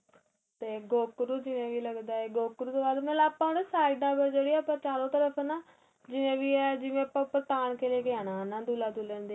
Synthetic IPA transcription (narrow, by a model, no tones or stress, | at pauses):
t̪eːɡoːkɾuːd͡ʒɪʋẽːʋiːləɡd̪aːeːɡoːkɾuːt̪oʋaːlmɛ̃ːlaːpãːd̪esaːiɖɖaːbəɾd͡ʒeːɽiːɛːpãt͡ʃaːlõːt̪əɾəpʰnaː | d͡ʒɪʋẽːʋiːɛːd͡ʒɪʋẽːpəpət̪aːɳkʰeːleːkɪaːɽ̃aːnãːd̪uːlaːd̪uːləɳd̪eː